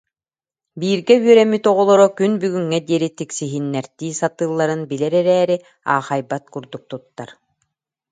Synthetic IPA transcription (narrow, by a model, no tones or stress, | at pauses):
biːɾɡɛyœɾɛmit̪ɔʁɔlˠɔɾɔkynbyɡyŋːɛd̪iɛɾit̪iksiɦinːɛɾt̪iːsat̪ɯːlˠːaɾɯnbilɛɾɛɾɛːɾi | a̰ːχajbat̪kuɾd̪uk̚t̪ut̪ːaɾ